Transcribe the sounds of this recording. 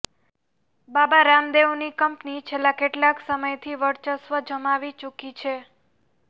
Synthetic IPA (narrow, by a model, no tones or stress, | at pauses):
babaɾamd̪eʋnikəmpnit͡ʃʰelːakeʈlaksəməjt̪ʰiʋəɽt͡ʃəsʋəd͡ʒəmaʋit͡ʃukit͡ʃʰe